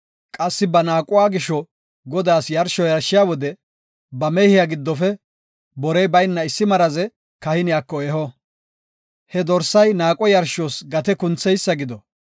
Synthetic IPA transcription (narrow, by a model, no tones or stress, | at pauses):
kʼɐsːɪbɐnaːkʼʊwaːɡɪʃɔ | ɡɔd̪aːsjɐɾʃɔjɐɾʃːɪjaːwɔd̪ɛ | bɐmɛhɪjaɡɪd̪ːɔfɛ | bɔɾɛjbɐjnːɐɪsːɪmɐɾɐzɛ | kɐhɪnɪjaːkːɔeːhɔ | hɛd̪ɔɾsɐjnaːkʼɔjɐɾʃoːsɡɐt̪ɛkʊnt͡sːɛjsːɐɡɪd̪ɔ